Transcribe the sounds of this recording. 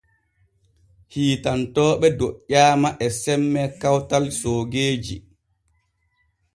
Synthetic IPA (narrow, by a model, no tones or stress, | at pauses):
hiːtantɔːɓɛdoʔaːmaʔɛsɛmːɛkawtalsoːɡeːd͡ʒḭ